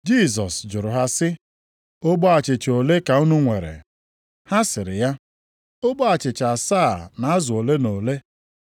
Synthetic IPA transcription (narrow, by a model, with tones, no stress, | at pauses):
d͡ʒi˦˨z̬ɔ˨sd͡ʒʊ˨ɾʊ˨ɦa˦sɪ˦ | o˦ɡ͡bɔ˦a˨t͡ʃɪ˨t͡ʃo˨le˦ka˨u˦nu˦ŋʷe˨ɾḛ˨ | ha˦sɪ˨ɾɪ˨ja˦ | o˦ɡ͡bɔ˦a˨t͡ʃɪ˨t͡ʃa˨sa˦˨na˨a˦zʊ˨o˨le˦no˨le˦